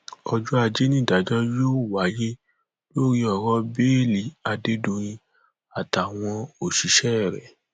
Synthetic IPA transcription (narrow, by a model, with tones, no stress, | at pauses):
ɔ˧d͡ʒu˦a˧d͡ʒe˦nĩ˦˨da˨d͡ʒɔ˦jo˦˨wa˨˦je˦ | lo˦ɾi˧ɔ˨ɾɔ˦beː˦˨li˨˦a˧de˦dũ˧j̃ĩ˧ | a˨ta˨w̃ɔ̃˧o˨ʃi˨˦ʃɛ˦˨ɾɛ̰˨